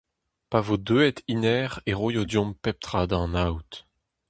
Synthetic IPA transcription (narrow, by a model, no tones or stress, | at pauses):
pavod̪øɛt̪inɛːʁeʁojod̪jɔ̃mpɛp̚t̪χad̪ɑ̃nawt̪